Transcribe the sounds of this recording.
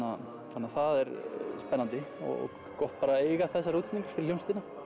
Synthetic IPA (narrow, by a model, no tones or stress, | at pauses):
a | θanːaθaðɛɾspɛnːant̪ɪɔ̰ɔ̰ | kɔht̪paːɾaeːjɣaθɛsːaɾruːt̪ʰit̪iŋkaɾ̥fɪɾɪljownst̪ːɪna